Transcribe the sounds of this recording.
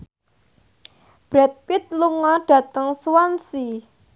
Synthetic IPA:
b̥ɾɛt̪̚pɪt̪̚luŋɔɖ̥ä̤t̪əŋswansi

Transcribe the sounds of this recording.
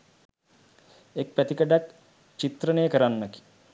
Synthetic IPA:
ek̚pət̪ikəɖak | t͡ʃit̪ɾənejːkəɾanːəki̥

